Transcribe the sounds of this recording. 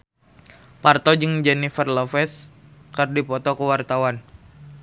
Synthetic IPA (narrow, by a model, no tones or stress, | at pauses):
part̪ɔd͡ʒɨŋd͡ʒɛnifərlɔfɛskərdipɔt̪ɔkəwart̪awan